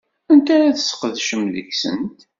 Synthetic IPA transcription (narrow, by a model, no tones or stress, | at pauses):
ænt̪æɾaθə̥sə̥qəðʃəmlə̰çsə̰nt̪